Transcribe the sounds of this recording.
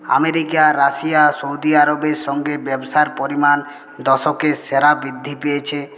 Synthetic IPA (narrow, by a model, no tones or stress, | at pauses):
a̰meɾikaɾasijasoud̪iaɾobeɾʃɔŋɡebebosaeɾpoɾiman | d̪ɔʃokeseɾabɾid̪ʱːipejet͡ɕʰe